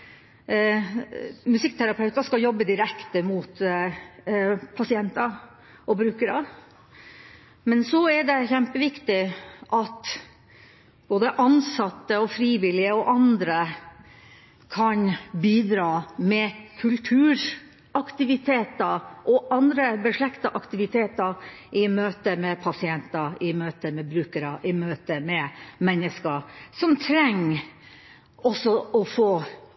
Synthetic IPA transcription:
mʉsɪk̚ːt̪ʰæɾɑpʰɑʉt̪ɑʂkɑjɔbːəd̪ɪɾɛkt̪əmʊt̪ | pʰɑsɪɛnt̪ɑ | ʔɔbɾʉːkəɾɑ | mɛnsɔæɖɛçɛmpəʋɪkt̪ɪʔɑt̪ | b̥oːd̪əʔɑnsɑt̪ːəɔfɾiːʋɪlɪəɔʔɑnd̪ɾə | kʰɑnbiːd̪ɾɑːmɛkʰʉlt̪ʰʉːɾ | ʔɑkt̪ɪʋɪt̪ʰeːt̪ɑʔɔʔɑnd̪ɾəbəʂɭɛkt̪ɑʔɑkt̪ɪʋɪt̪ʰeːt̪ɑʔɪmøːt̪əmɛpʰɑsɪɛnt̪ɑɪmøːt̪əmɛbɾʉːkəɾɑʔɪmøːt̪əmɛmɛnːəskəsɔmt̪ʰɾɛŋː | ɔsɔɔfoː

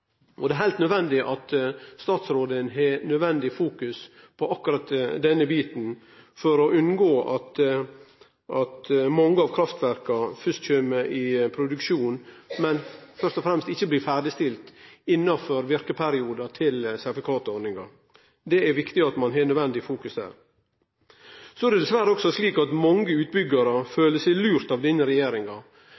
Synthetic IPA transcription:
ʔɔ̰d̪ɛæɾɦæɪlt̪nœd̪ʋɛnd̪ɪʔɑt̪st̪ɑːt̪sɾoːd̪ənɦɛnœd̪ʋɛnd̪ɪfuːkʉs | pʰɔʔɑkːʉɾɑt̪d̪ɛnːəbiːt̪n̩ | fɔɾɔʔʉnɡoːʔɑt̪ | ʔɑt̪mɑŋːəɑʋkʰɾɑft̪ʋæɾkɑfʏʂt̪çøːməʔɪpʰɾʊd̪ʉkʃuːnmɛnfœʂt̪ɔfɾɛmst̪ɪçːəbliːfæːɖɪst̪ɪlt̪ɪnːɑfɔɾʋɪɾkəpʰæɾɪuːd̪ɑt̪ʰɪlsæt̪fɪkʰɑːt̪ɔɾnɪŋɑ | d̪ɛæɾʋɪkt̪ɪɑt̪mɑnɦɛːlnœd̪ʋɛnd̪ɪfuːkʉsd̪æ̰ːɾ | sɔɛɾdɛd̪ɛsʋæːɾəɔksɔsliːkɑt̪mɔŋːəʉːt̪̚bʏɡːɑɾəføːləsɛɪlʉːɾt̪ɑʋd̪ɪnːəɾɛjeːɾɪŋɑ

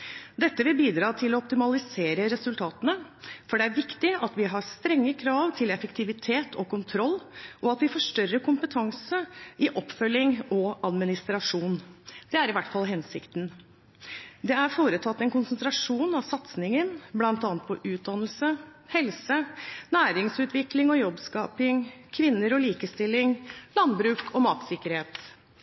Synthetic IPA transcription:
d̪ɛt̪ːəʋɪlbiːd̪ɾɑːt̪ʰɪlɔɔp̚t̪ɪmɑlɪseːɾəɾɛsʉlt̪ʰɑːt̪ənəfɔɖɛæɾʋɪkt̪ɪɑt̪ʋɪɦɑɾst̪ɾɛŋːəkʰɾɑːʋt̪ʰɪlɛfəkt̪ʰɪʋɪt̪ʰeːt̪ʰɔkʊnt̪ʰɾɔlːʔɔɑt̪ʋɪfɔːʂʈœɾːəkʰʊmpət̪ʰɑŋsəʔɪʔɔpfœlːɪŋɔʔɑd̪mɪnɪst̪ɾɑʂuːnd̪ɛæɾɪʋæʈːfɑlɦɛnsɪ̰kt̪n | d̪ɛæɾfoːɾət̪ʰɑt̪ːɛnkʊnsənt̪ɾɑʂuːnɑʋsɑt̪snɪŋənblɑnt̪ɑːnət̪̚pʰɔʔʉːt̪̚d̪ɑnəlsə | hɛlsənæːɾɪŋsʉːt̪ʋɪklɪŋɔjɔbskɑːpɪŋkʰʋɪnːəɾɔliːkəst̪ɪlːɪŋlɑnbɾʉːkʰɔmɑːt̪sɪkəɾheːt̪

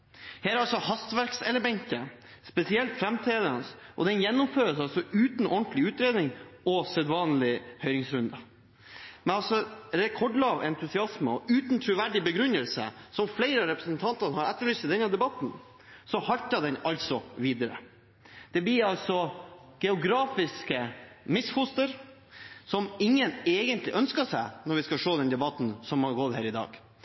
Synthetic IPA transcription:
heːɾɑlsɔhɑst̪ʋæɾksɛlːəbɛŋkəspɛsɪɛlt̪fɾɛmt̪ʰeːd̪ənsʔɔ̰d̪ɛnjɛnːɔmføːɾəsɑlsɔʉːt̪n̩ʔɔɳt̪lɪʉːt̪ɾeːd̪nɪŋɔsɛd̪ʋɑːnlɪhœʏɾɪŋsɾʉnd̪ɑ | mɛnɑlsɔɾɛkʰɔɖlɑːʋɛnt̪ʰʉsɪɑsməɔʉːt̪n̩t̪ʰɾʉʋæɖɪbəɡɾʉnːəlsə̰sɔmflɛɪɾəɑɾɛpɾəsnt̪ʰɑnt̪əɾnhɑɾɛt̪ːəɭyːsəd̪ɛnːɑd̪ɛbɑt̪n | sɔhɑlt̪əd̪ɛnɑlsɔʋiːd̪əɾə̰ | d̪̥ɛb̪ɪɑlsɔ | ɡ̥ɛʊɡɾɑːfɪskəmɪsfʊst̪əɾ | sɔmɪŋːəneːɡənt̪ʰlɪʔœnskəʂænɔɾʋɪskɑʂoːd̪ɛnd̪ɛbɑt̪n̩sɔmɑɡɔt̪hæːɾɪd̪ɑ̰ːɡ̥

